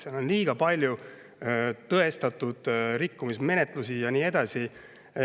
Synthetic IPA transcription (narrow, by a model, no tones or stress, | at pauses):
selo̞nliːɡ̥ɑpɑlʲju | t̪ɤe̞st̪ɑt̪ːˑud̪̥ɾikːumisme̞ne̞t̪ˑlusijɑniːe̞d̪̥ɑsi